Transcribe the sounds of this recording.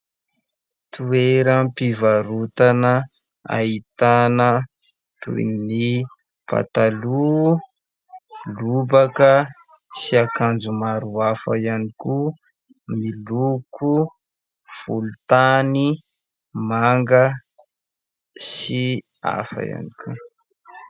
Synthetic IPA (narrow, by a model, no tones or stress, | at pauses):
t̪ueɾəmpivaɾut̪anə | a̰it̪anə | t̪ṵḭni | pa̰t̪alu | lubakə | siakand͡zumaɾuafa̰ijaniku | milukʰu | fulut̪ani | maŋɡə | si | a̰fa̰ja̰nikʲʰu